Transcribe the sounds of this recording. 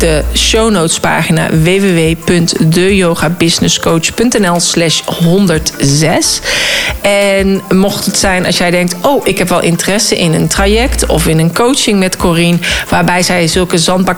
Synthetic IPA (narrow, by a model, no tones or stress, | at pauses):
dəʃownowtspa̰ːχina̰ːʋejʋeʋejpɵntdøjowχaːbɪznɪskowt͡ʃpɵntɛnɛlˠslɛʃɦɔndəɹtzɛs | ɛnmɔχtətsɛjnʔɑ̰sjɛjdɛŋk̚towʔɪkɦɛpʋɛlˠʔɪ̰ntərɛsəʔɪnəntrajɛktɔ̰fɪnənkowt͡ʃɪŋmɛtkɔrinʋaːɹbɛjzɛjzɵlˠkəzɑnd̚bɑ